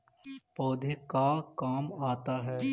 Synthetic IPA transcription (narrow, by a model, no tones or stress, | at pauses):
pɔːd̪ʱekakaːmaːt̪aɦɛː